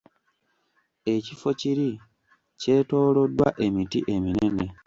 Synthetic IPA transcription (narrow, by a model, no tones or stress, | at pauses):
e̞cifo̞ciɾi | ce̞ːto̞ːlo̞dːwa̰ʔe̞mitiʔe̞mine̞ne̞